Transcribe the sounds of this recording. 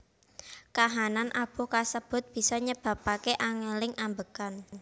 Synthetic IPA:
kaɦananʔab̥ɔ̤kasəb̥ʊ̤t̪̚b̥i̤sɔɲəb̥ä̤pakeʔaŋelɪŋʔambəkan

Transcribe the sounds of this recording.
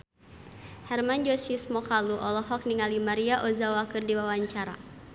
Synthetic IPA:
hɛrmand͡ʒɔsiusmɔkaluʔɔlɔɦɔk̚niŋalimaɾiaʔɔzawakɨrdiwawaɲt͡ʃaɾa̰

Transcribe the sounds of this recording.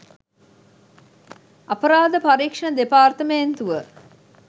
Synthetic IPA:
ɐpəɾaːd̪əpaɾiːkʂɐɳəd̪epaːrt̪əment̪uʋə

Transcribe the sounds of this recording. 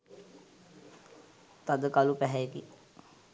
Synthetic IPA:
t̪ad̪əkalupɛɦɛjeki

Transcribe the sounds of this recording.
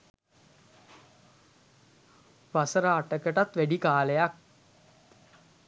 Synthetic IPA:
ʋasəɾaːʈəkəʈat̪ʋæɖikaːləjak̚

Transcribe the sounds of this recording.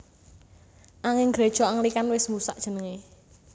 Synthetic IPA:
ʔaŋɪŋɡɾe̤d̥ʒ̥ɔ̤aŋlikanwɪsmusaʔʒ̥ə̤nəŋe

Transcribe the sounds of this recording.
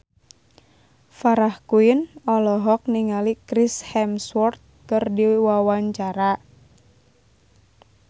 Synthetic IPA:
faɾahkuinɔlɔɦɔk̚niŋalikɾishɛmswɔrt̪̚kərdiwwawaɲt͡ʃaɾa

